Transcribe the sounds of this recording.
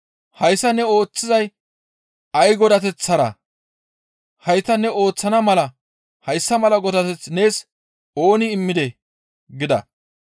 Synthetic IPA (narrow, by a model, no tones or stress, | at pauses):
hɐjsːɐnɛo̞ːt͡sːɪzɐj | ɐjɡɔd̪ɐt̪ɛt͡sːɐɾɐ̰ | hɐjt̪ɐnɛo̞ːt͡sːɐnɐmɐlɐ | hɐjsːɐmɐlɐɡɔd̪ɐt̪ɛt͡sne̞ːs | o̞ːnɪːmːɪd̪ɛ | ɡɪd̪ɐ̰